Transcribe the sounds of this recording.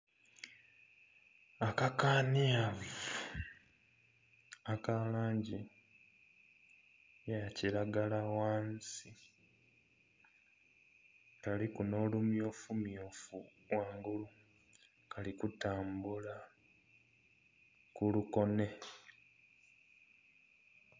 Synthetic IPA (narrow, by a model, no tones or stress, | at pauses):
akakaːniav | akalaːɲɟi | jaciɾaɡalawaːnsi | kalikuno̞ːlumjoːfumjoːfu | waːŋɡulu | kalikutaːmbula | kuluko̞ne̞